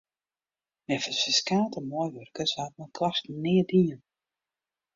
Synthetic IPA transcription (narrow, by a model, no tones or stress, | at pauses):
nɛfəsəskaːtəmɔjʋørkəshat̚mɛnkʰlastnɪːədiən